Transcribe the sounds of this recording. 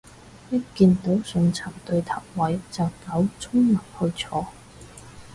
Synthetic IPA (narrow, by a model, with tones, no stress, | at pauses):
pɪ˥kkːiː˧nt̪o˨˥wsɵ˧nt͡sʰa˨˩mt̪ɵ˧ɥt̪ʰɐ˨˩wwɐ˨˥jt͡sɐ˨wkɐ˨˥wt͡sʰʊ˥ŋlɐ˨˩p̚hɵ˧ɥt͡sʰɔː˨˥